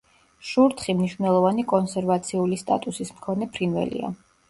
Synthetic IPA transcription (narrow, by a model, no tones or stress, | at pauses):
ʃuɾt̪ʰχimniʃvnɛlˠɔvanikʼɔnsɛɾvat̪sʰiulist̪ʼa̰t̪ʼusismkʰɔnɛpʰɾinvɛ̰lḭa̰